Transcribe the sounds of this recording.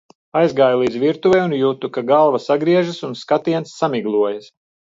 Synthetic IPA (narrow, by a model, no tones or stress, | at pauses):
ajzɡaːjulˠiːd̪zviɾt̪uvɛjunjuːt̪ukaɡalˠvasaɡɾiɛʒasunskat̪iɛnsːamʲiɡlˠuɔjas